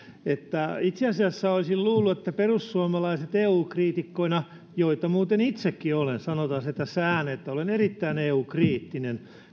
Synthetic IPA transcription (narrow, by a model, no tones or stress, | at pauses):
et̪ːæit̪seɑsiɑsːæolʲsilluːlːuet̪ːæperusːuomɑlɑiset̪eːuːkriːt̪ikːoinɑ | joit̪ɑmuːt̪enit̪sekːiolensɑnot̪ɑnset̪æsæːnet̪ːæolenerit̪ːæineːuːkriːt̪ːinen